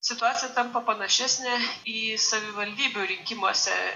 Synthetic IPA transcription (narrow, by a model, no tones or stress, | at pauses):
sʲɪt̪ʊaːt̪sʲɪjɛt̪ɐmpɐpɐnɐʃʲɛsʲnʲɛiːsɐʋʲɪʋɐlʲd̪ʲiːbʲuɾʲɪŋʲkʲɪmoɔsʲɛ̰